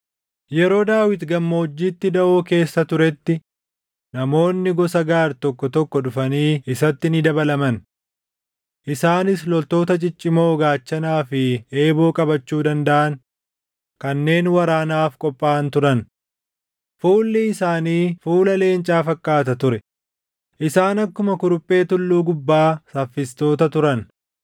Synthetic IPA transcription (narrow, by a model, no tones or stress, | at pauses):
jɛɾo̞ːd̪aːwɪt̪ɡɐmːo̞ːd͡ʒːiːt̪ːɪd̪ɐʔoːke̞ːsːɐt̪ʊɾɛt̪ːɪ | nɐmo̞ːnːɪɡɔsɐɡaːɾt̪ɔkːɔt̪ɔkːɔᶑʊfɐniːʔɪsɐt̪ːɪnɪd̪ɐbɐlɐmɐn | ʔɪsaːnɪslɔlt̪o̞ːt̪ɐt͡ʃʼɪt͡ʃʼːɪmo̞ːɡaːt͡ʃːɐnaːfɪe̞ːbo̞ːkʼɐbɐt͡ʃːuːd̪ɐnd̪ɐʔɐn | kɐnːe̞ːnwɐɾaːnaːfkʼɔpʼːaːnt̪ʊɾɐn | fuːlːɪɪsaːniːfuːlɐle̞ːnt͡ʃʼaːfɐkːaːt̪ɐt̪ʊɾɛ | ʔɪsaːnɐkːʊmɐkʊɾʊpʼːe̞ːt̪ʊlːuːɡʊbːaːsɐfːɪst̪o̞ːt̪ɐt̪ʊɾɐn